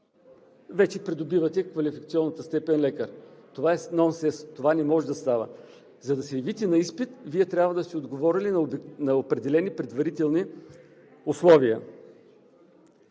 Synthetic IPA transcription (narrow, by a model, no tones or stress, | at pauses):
vɛt͡ʃɛpɾid̪obivət̪ɛkvɐlifikət̪siɔnːət̪əst̪ɛpɛnlɛkəɾt̪ovaɛsnɔnsɛst̪ovanɛmɔʒɛd̪ɐst̪avə̰ | zɐd̪ɐsɛvit̪ɛnɐispit̪viɛt̪ɾʲabvəd̪ɐst̪ɛod̪ɡovɔɾilinnɐopɾɛd̪ɛlɛnipɾɛd̪vɐɾit̪ɛlˠni | ʊslˠɔviə